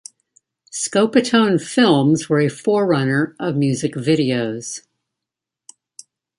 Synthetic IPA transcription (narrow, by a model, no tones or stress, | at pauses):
skoʊpɨtʰõʊ̃nfɪlˠmzwə˞ɨfɔɹːʌnə˞ʔʌvmjʉzɨkvɪɾioʊz̥